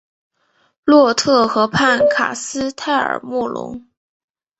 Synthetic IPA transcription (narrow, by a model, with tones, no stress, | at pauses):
lwɔ˥˧t̪ʰɤ˥˩xɤ˧˥pʰa˥˩nkʰa̰˨˩sɹ̩˥t̪ʰa˥˩ɪə̰˞˨˩mu˥˩lʊ̰˧˥ŋ